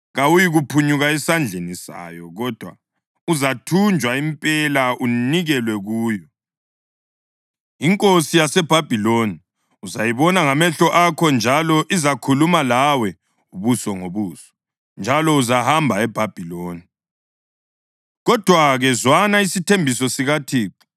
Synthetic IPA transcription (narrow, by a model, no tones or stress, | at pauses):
ɣawujiɣupʰuɲuɣaɛsand͡ɮʱenisa̰jɔɣɔd̥ʱwa̰ | uzatʰund͡ʒʱwaimpʼɛlaʔuniɣɛlwɛɣuːjɔ | iŋkʼosijasɛb̥ʱab̥ʱiloni | uzajiβɔnaŋamɛɬɔʔakʰɔnd͡ʒʱalɔʔizakʰulumalawɛ | uβusɔŋoβuːsɔ̥ | nd͡ʒʱalɔuzahambʱaɛb̥ʱab̥ʱiloːni | ɣɔd̥ʱwaɣɛzwanaisitʰembʱisɔsiɣatʰiːǃi̥